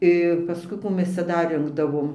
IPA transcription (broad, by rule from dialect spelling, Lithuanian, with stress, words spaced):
ɪr pɐˈskʊɪ ˈkuː ˈmʲɛs ˈt͡sʲɛ ˈdɐr ˈrʲɪŋɡdɐʋoːm